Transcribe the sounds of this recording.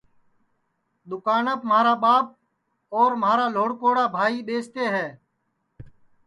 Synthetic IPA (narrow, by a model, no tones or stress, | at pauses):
ɗ̪ʊkaːnəpmaːɾaːɓaːp̚ | oːɾmaːɾaːloːɽkoːɽaːbʱaːiːɓeːst̪eːɦɛː